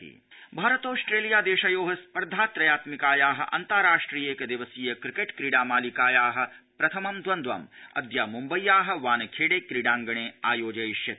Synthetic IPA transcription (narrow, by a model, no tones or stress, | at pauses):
ḭ | bʱaːɾɐt̪oːsʈɾeːlijaːd̪eːʃɐjoːɦɐspɐɾd̪ʱaːt̪ɾɐjaːt̪mikaːjaːɦɐ̰̆ʔɐ̰nt̪aɾaːʂʈɾiːjekɐd̪iʋɐsiːjɐkɾikeːʈkɾiɽaːmaːlikaːjaːɦɐ̆pɾɐt̪ʰɐmɐmd̪ʋɐnd̪ʋa̰mɐ̰d̪jaːmumbɐjːaːɦɐ̆ʋaːnɐkʰeːɽeːkɾiɽãːŋɡɐɳ̃eːaːjoːd͡ʒɐjiʃjɐt̪